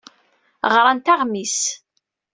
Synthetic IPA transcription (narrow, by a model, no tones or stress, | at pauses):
ʁɾˤant̪aʁmis